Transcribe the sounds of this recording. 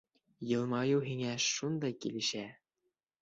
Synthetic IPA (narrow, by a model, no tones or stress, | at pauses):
jɤ̆lˠmɑjɤwɦiŋæʃund̪ɑjkḭlɘ̆ʃæ